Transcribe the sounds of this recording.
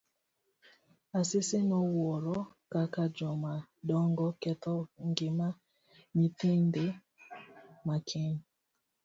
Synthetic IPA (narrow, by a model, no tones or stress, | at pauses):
asɪsenɔwɔɾɔ | kakad͡ʒɔmaɗɔŋɡɔkɛt̪ɔŋɡema | mitende | makʰɛɲ